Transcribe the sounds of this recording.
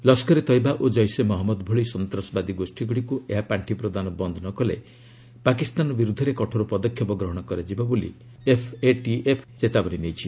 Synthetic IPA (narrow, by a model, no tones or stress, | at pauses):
lɔskɔɾet̪ɔjbaʔod͡ʒɔjsemɔɦɔmːɔd̪bʱɔɭisɔnt̪ɾɔsɔbad̪iɡosʈʰiɡuɽikueɦapaɳʈʰipɾɔd̪anɔbɔnd̪ʱɔnɔkɔlḛ | pakist̪anɔbiɾud̪ʱɔɾekɔʈʰɔɾupɔd̪ɔkʰjɔpɔɡɾɔɦɔɽ̃ɔkɔɾad͡ʒibabolḭ | epʰeʈiepʰt͡ʃet̪abɔñinejt͡ʃʰi